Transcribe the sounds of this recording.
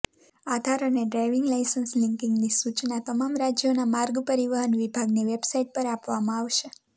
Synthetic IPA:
ad̪ʱaɾəneɖɾajʋɪŋɡlajsənslɪŋkɪ̃ŋɡnisut͡ʃnat̪əmamɾad͡ʒjonamaɾɡpəɾiʋəɦənʋibʱaɡniʋebsaiʈ̚pəɾapʋamãaʋʃe

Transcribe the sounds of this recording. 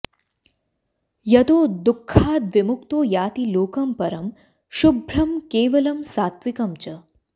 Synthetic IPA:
jɐt̪oːd̪ukʰːaːd̪ʋɪmʊkt̪oːjaːt̪iloːkɐmpɐɾɐm | ʃubʱɾɐmkeːʋɐlɐmsaːt̪ʋɪkɐmt͡ʃɐ

